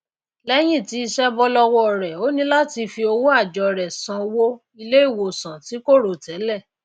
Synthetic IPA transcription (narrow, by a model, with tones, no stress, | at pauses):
lɛ˦j̃ĩ˦˨ti˨˦i˧ʃɛ˦bɔ˧lɔ˧wɔ˧ɔ˨ɾɛ˨o˦nĩ˦la˦ti˧fi˧o˧wo˦a˦˨d͡ʒɔ˨ɾɛ˨sã˨˧wo˦ | i˧le˦i˦˨wo˨sã˨ti˨˦ko˦˨ɾo˨tɛ˨˦lɛ˦˨